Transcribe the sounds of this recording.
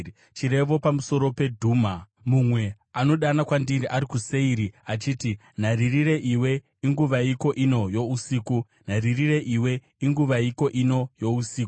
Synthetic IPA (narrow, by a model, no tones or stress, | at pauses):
t͡ʃiɾe̞ʋo̞pamuso̞ɾo̞pe̞dʱuːma | mumwe̞ | ano̞ɗanakwandiɾiʔaɾikuse̞iɾiat͡ʃiːti | n̤aririre̞ʔiwe̞ | iŋɡuʋaiko̞ʔino̞jo̞usiːku | n̤aririre̞ʔiwe̞ | iŋɡuʋaiko̞ʔino̞jo̞usiːku